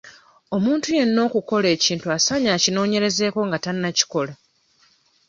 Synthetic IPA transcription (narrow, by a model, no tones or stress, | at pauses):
o̞muːntuje̞nːo̞ːkuko̞le̞ːciːntuasaɲaːcino̞ːɲe̞ɾe̞ze̞ːko̞ŋɡatanːaci̥ko̞la